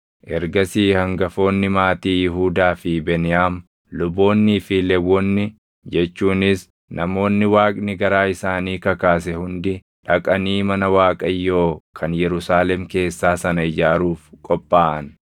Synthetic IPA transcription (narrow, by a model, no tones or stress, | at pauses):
ʔɛɾɡɐsiːhɐŋɡɐfo̞ːnːɪmaːt̪iːjɪɦuːd̪aːfɪbɛnɪjaːm | lʊbo̞ːnːiːfɪlɛwːɔnːɪ | d͡ʒɛt͡ʃːuːnɪs | nʔɐmo̞ːnːɪwaːkʼnɪɡɐɾaːɪsaːniːkɐkaːsɛhʊnd̪ɪ | ᶑɐkʼɐniːmɐnɐwaːkʼɐjːo̞ːkʰɐnjɛɾʊsaːlɛmke̞ːsːaːsɐnɐɪd͡ʒaːɾuːfkʼɔpʼːaːʔɐn